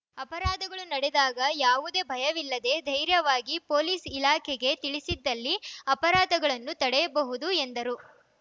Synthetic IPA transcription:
ɐpɐɾaːd̪ɐɡɐɭunɐɽɛd̪aːɡɐjaːʋud̪e̞ːbʱɐjɐʋilːɐd̪e̞d̪ʱɐjɾjɐʋaːɡipo̞ːliːsilaːkʰɛɡe̞t̪iɭisid̪ːɐlːiɐpɐɾaːd̪ɐɡɐɭɐnːut̪ɐɽɛjɐbɐɦud̪uend̪ɐɾu

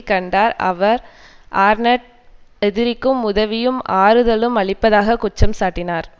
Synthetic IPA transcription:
kɐɳɖaːɾɐ̰ʋɐɾ | ʔaːɾnɐʈ̚ | ɛðɪɾɪkːɯmʊðɐʋɪjɯmaːɾɯðɐɭɯmɐɭɪpːɐðaːɣɐkʊt͡ʃːɐmsaːʈːɪnaːɾ

